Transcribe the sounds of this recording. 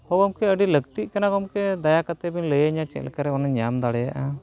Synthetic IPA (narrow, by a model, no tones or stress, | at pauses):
hɔbɔmkɛəɖiləɡt̪iʔkanakɔmkɛd̪ajakət̪ɛbinləjaɲat͡ʃɛ̰lkaɾɛɔnaɲamd̪aɽɛja̰ʔa